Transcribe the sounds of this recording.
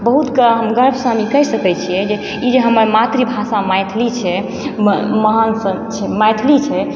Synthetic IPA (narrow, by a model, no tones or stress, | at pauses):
bəɦut̪kəɦəmɡəɾbʱsamikəɦsəkɛt͡ʃʰijɛd͡ʒe | id͡ʒeɦəməɾmat̪ɾibʱasamajt̪ʰlit͡ʃʰɛ | məɦansət͡ʃʰɛmajt̪ʰlit͡ʃʰɛ